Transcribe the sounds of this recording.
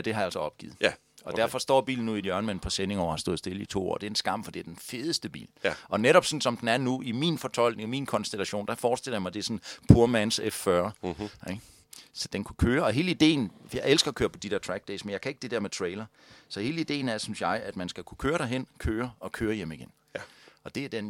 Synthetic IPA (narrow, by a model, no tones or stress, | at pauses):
d̥e̝hɑ̈jɑælsɒɒ̽b̥̚ɡ̥ḭːð̩ˠ | ɒ̽d̥æɐ̰fɒ̽sd̥ɒ̰ːb̥ḭːln̩uðˠijœɐnmenpʰɒ̽sene̝ŋɒʊ̰hɑsd̥o̰̽ð̩ˠsd̥e̝ləit͡sʰo̝̰ːɒ̰ːd̥e̝ɐ̥ensɡ̥ɑ̈m̰fɒd̥e̝æɐd̥enfe̝ːð̞ˠəsd̥əb̥ḭːlʔɒ̽neɾɒ̽b̥sɒ̽n̩sɒ̽md̥en̩æɐnuiminfɒ̽t͡sʰɒ̽l̰ɡ̥ne̝ŋminkʰɒ̽nsd̥elæɕo̝̰ːnd̥æfɒːd̥sd̥e̝lɐjɑ̈mɑɪd̥e̝sɒ̽npʰuɐmænsefːɶɐe̥ | sɒd̥enkʰukʰøːɐɒ̽ɦe̝ːləid̥e̝̰ːn̩jɑ̈ɪʔelsɡ̥ɐɒkʰøːɐpʰɒ̽d̥id̥eɐ̰t͡sʰʁæɡ̥̚d̥ɛsmenjɑ̈ɪkʰæe̝ɡ̥əd̥e̝d̥eɐmet͡sʰʁeɪlɐ | sɒ̽he̝ːləid̥e̝̰ːn̩æɐsynsjɑ̈ɪʔæd̥mænsɡ̥ækʰu̥kʰøːɐɾ̥æɦen̰kʰøːɐɒ̽kʰøːɐjem̰iɡen | ɒ̽d̥e̝æɐd̥en